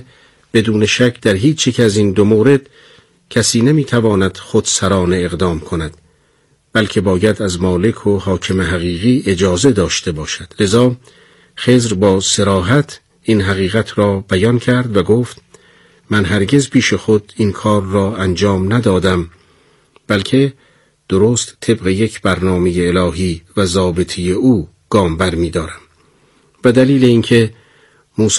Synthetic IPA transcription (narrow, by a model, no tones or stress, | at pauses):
b̥e̞d̪uːneʃækʰd̪æɾɦiːt͡ʃʰjecʰæzind̪omoːɾe̞d̪̥ | cʰæsiːnemiːt̪ʰævɒːnæd̪̥xod̪̥sæɾɒːne̞ːɣd̪ɒːmkʰonæd̪̥ | b̥ælcʰe̞bɒːjæd̪æzmɒːle̞kʰohɒːcʰemeɦæɣiːɣiːʔe̞d͡ʒɒːze̞d̪ɒːʃt̪e̞bɒːʃæd̪̥le̞zɒː | xe̞ːzɾbɒːse̞ɾɒːɦæt̪ʰ | inɦæɣiːɣæt̪ʰɾɒːbæjɒncʰæɾd̪væɡoːft̪ | mænɦæɾɡe̞zpʰiːʃexod̪inkʰɒːɾːɒːænd͡ʒɒːmnæd̪ɒːd̪æm | b̥ælkʰe̞ | d̪̥oɾoːst̪t̪ʰːe̞bɣe̞je̞cʰbæɾnɒːme̞jeːlɒːɦiːvæzɒːbet̪ʰejeuː | ɡ̥ɒːmbæɾmiːd̪ɒːɾæm | bed̪æliːle̞incʰe̞ | muːs